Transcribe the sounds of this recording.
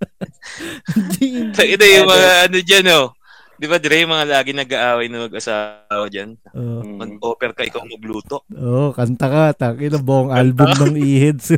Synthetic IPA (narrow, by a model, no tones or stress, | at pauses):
d̪it̪ɐɡɪd̪ajʊŋmɐŋaʔɐnod͡ʒano | d̪ɪbad̪ɛɾɛjʊŋmɐŋalaːɡɪnɐɡaʔaːwɐjnɐmɐɡʔɐsaːwɐd͡ʒan | ʔoːmɐɡ̚ʔoːpɛɾkɐʔɪkawnɐɡluːt̪o̞ʔʔokɐnt̪ɐkat̪ɐkɪnɐbokoŋʔalbʊmnɐŋʔiːhɛd̪s